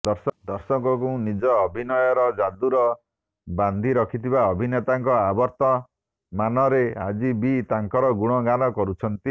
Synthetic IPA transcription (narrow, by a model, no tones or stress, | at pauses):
d̪ɔɾsɔd̪ɔɾsɔŋkɔkunid͡ʒɔːbʱinɔjɔɾɔd͡ʒad̪uɾɔ | band̪ʱiɾɔkʰit̪ʰiβaɔbʱinet̪aŋkɔabɔɾt̪ɔ | manɔɾea̰d͡ʒibit̪aŋkɔɾɔɡuɽ̃ɔɡanɔkɔɾut͡ʃʰɔnt̪i